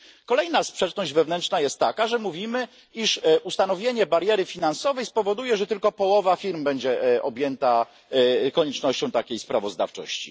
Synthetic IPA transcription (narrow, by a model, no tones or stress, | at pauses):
kɔlɛjnaspʂɛt͡ʂnɔʑd͡ʑvɛvnɛnt͡ʂnajɛst̪ːakaʐɛmuvʲimɘ | iʂust̪anɔvʲjeɲɛbaɾjɛɾɘfʲinansɔvɛjspɔvɔd̪ujɛʐɛt̪ɘlkɔpɔwɔvafʲiɾmbɛɲd͡ʑɛʔɔbʲjɛnt̪a | kɔɲɛt͡ʂnɔɕt͡ɕɔ̃w̃t̪akʲejspɾavɔzd̪a̰ft͡ʂɔ̰ɕt͡ɕḭ